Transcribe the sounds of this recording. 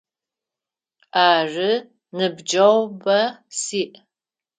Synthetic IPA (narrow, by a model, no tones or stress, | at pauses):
aːrɨ | nɨbd͡ʒɐwbɐsiːʔ